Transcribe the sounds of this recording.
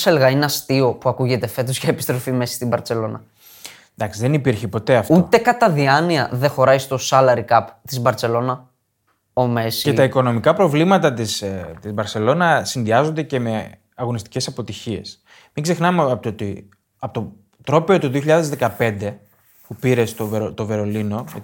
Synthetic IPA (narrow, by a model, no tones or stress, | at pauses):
selɣɐinɐst̪io̞puɐkuʝe̞t̪e̞fe̞t̪̬o̞sçɐepi̥st̪ɾo̞fime̞sɐ̥st̪ibɐɾt̪se̞lo̞nɐ̰ | d̪ɐksiðenipiɾçepo̞t̪e̞ɐft̪ut̪e̞kɐt̪ɐðiɐniɐðexo̞ɾɐjst̪o̞sɐlɐɾikɐpt̪izbɐɾt͡se̞lo̞nɐ | o̞me̞siet̪ɐiko̞no̞mikɐpɾo̞vlimɐt̪ɐt̪ist̪izbɐɾse̞lo̞nɐsinðiɐzond̪ece̞me̞ | ɐɣo̞nist̪i̥ce̞sɐpo̞t̪içie̞̰s | miɡze̞xnɐmet̪ot̪i | ɐpot̪o | t̪ɾo̞peo̞t̪oðioçiʎɐðezðe̞kɐpe̞nd̪e̞ | pupiɾe̞st̪oveɾot̪o̞ve̞ɾo̞lino̞